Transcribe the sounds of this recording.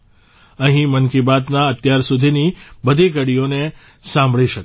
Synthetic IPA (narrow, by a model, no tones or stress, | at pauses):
əɦĩmənkibat̪naət̪jaɾsud̪ʱinibəd̪ʱikəɽijone | sãmbʱɭiʃək